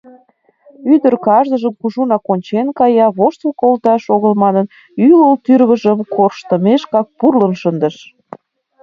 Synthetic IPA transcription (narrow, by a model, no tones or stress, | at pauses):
yd̪ərkɑʒd̪əʒəmkuʒunɑkonʲt͡ɕenkɑjɑβoʃt̪əlkolt̪ɑʃoɣəlmɑnən | ylolt̪yɾβəʒəmkʰorʃt̪ə̆meʃkɑk̚purlənʃənd̪ə̆ʃ